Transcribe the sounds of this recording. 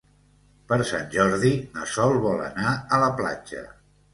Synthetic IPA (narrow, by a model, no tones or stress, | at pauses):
pəɾsa̰nʲʒɔɾðinəsɔlˠβɔlə̰naələpla̰d͡ʒə̰